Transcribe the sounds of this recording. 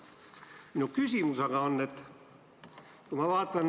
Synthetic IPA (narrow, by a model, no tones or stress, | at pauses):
minukysimusɑɡ̥ɑonːet̪ | kumɑʋɑːt̪ːɑn